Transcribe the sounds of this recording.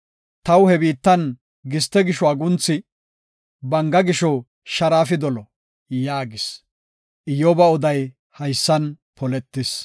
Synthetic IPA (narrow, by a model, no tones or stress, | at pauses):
t̪ɐwhɛbiːt̪ːɐn | ɡɪst̪ɛɡɪʃɔɐɡʊnt͡sːɪ | bɐŋɡɐɡɪʃɔ | ʃɐɾaːfɪd̪ɔlɔ | jaːɡɪs | ʔɪjɔbɐɔd̪ɐj | hɐjsːɐn | pʰɔlɛt̪ːɪs